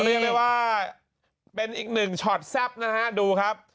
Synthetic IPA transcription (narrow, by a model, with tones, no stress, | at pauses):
ɾi˥˩ək̚ma˥˩waː˥˩ | pe˧nʔiː˨˩k̚nɯ˨˩ŋt͡ɕʰɔ˨˩t̪̚sɛ˦˥p̚na˦˥kʰa˦˥duː˧kʰa˦˥p̚